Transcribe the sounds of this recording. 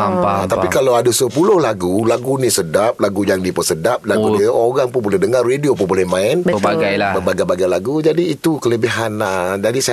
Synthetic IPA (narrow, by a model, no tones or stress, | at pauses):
at̪apikalawadasəpulʊhlaɡulaɡunisədap̚laɡujaŋdipəsədap̚laɡudiʔoɾaŋpʊnbolɛhdəŋarːediopʊnbolɛhmãɪnaɡajbəbaɡajbaɡajlaɡud͡ʒadiːt̪ukələbiɦanədadisa